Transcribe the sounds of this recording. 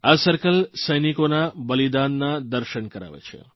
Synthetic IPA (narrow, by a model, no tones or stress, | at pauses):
asəɾkəlsəjnikonabəlid̪anːad̪əɾʃənkəɾa̰ʋḛt͡ʃʰḛ